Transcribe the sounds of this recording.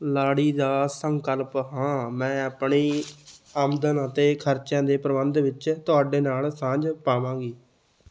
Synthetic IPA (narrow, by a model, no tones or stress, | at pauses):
laːɽiːd̪aːsəŋkəlpɦãːmɛ̃ːəpɳiː | aːmd̪ənət̪eːkʰəɾt͡ʃjãːd̪eːpɾəbənd̪ʋɪt͡ʃt̪ʊaːɖeːnaːlsãːd͡ʒpaːʋãːɡiː